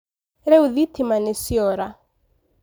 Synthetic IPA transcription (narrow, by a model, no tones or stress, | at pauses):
ɾɛuðit̪imanesiɔɾa